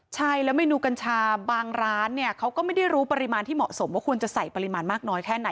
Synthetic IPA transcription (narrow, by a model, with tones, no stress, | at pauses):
t͡ɕʰa˥˩jlɛ˦˥wma˥˩jnuː˧ka˧nt͡ɕʰaː˧baː˧ŋɾaː˦˥nːi˥˩ɐkʰa˦˥wkɔː˥˩ma˥˩jda˥˩jɾuː˦˥pa˧ɾi˧maː˧nt̪ʰiː˥˩mɔ̰˨˩ʔso˩˦mwaː˦˥kʰu˧ənt͡ɕa˨˩sa˨˩jpa˧ɾi˧maː˧nmaː˥˩k̚nɔː˦˥jkʰɛː˥˩na˩˦